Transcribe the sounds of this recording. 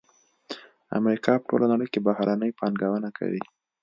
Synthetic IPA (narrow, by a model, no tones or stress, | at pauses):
a̰mɾikʰɑpə̥ʈo̰lanaɽəjkebahɾanəjpɑnɡawənakʰa̰wḭ